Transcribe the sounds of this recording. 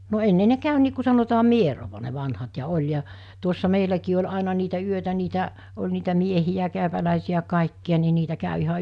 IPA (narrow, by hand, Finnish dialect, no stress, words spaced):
no enːe ne kæˑy niː ku sɑnotɑː mieroʋɑ ne ʋɑnhɑt jɑ olʲ jɑ tuosːɑ meilækiː olʲ ɑˑenɑ niːtæ yøtæ niːtæ olʲ niːtæ miehijæ kæˑøpælæˑesiæ kɑˑikːiɑ ni niːtæ kæˑø ihɑ